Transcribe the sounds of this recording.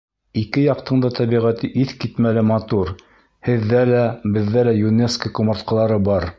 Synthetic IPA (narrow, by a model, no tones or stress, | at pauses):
ikɘjɑqt̪ɤ̆ɴd̪ɑt̪æβiʁæt̪ɘʔiθkit̪mælɘmɑt̪uɾ | hɘ̆ðːælæbɘ̆ðːælæjuneskəkŏmŏɾt̪̚qɤ̆lˠɑɾɤbɑɾ